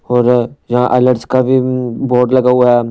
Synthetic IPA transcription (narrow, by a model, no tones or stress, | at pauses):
ɔːɾjɐɦãʔɛːləʈskabʱiboːʈ̪lɐɡaɦʊaɦɛː